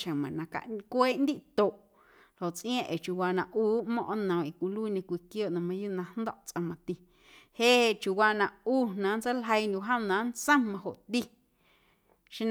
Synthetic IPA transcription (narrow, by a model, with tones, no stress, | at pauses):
ʃə̃˨mã̰˨nã˧ka̰˧˨ʔkʷeː˦ʔnd̪i˦ʔt̪o˨ʔ | lho˨ʔt͡sʔĩ˦ã˦˧ʔe˨t͡ʃu˨waː˧nã˧ʔuː˦ʔmɔ̃˦ʔnə̃˨i˨kʷi˧luː˦˨ɲẽ˧kʷi˧kjoː˦˨ʔnã˧mã˧ju˦ʔnã˧nd̪ɔ˦ʔt͡sʔə̃˧mã˧t̪i˧ | heː˦e˧˨t͡ʃu˨waː˧nã˧uː˦˨nã˨˦nt͡sə˦lɦə˧jnũ˧ɦə̃˦m˧nã˨˦nt͡sə̃˦mã˧ho˨ʔt̪i˦ | ʃĩ˦n